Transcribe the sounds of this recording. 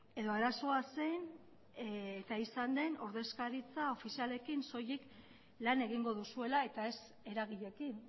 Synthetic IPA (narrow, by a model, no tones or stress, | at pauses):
e̞ðo̞aɾaso̞ase̞n | et̪aisand̪e̞no̞ɾðe̞skaɾit͡sao̞fisiale̞kinso̞jik | lane̞ɣ̞iŋɡo̞ðusue̞lae̞t̪ae̞s | e̞ɾaɣ̞iʎe̞kin